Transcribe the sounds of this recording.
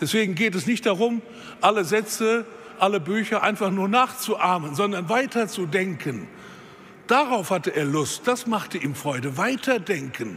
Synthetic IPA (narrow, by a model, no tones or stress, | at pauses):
d̥ɛsv̥eːɡŋ̩ɡeːtɛsnɪçt̚d̥aʁʊm | ʔaləzɛt͡sə | ʔaləbyːçɐʔaɪnfaχnuːɐnaːχt͡suʔaɐmənzɔndɐnvaɪtʰɐt͡sudɛŋkʰən | d̥aʁaʊfhatəʔeːɐlʊst̚d̥asmaχtəʔiːmfʁ̥ɔʏdəvaɪtʰɐdɛŋkʰən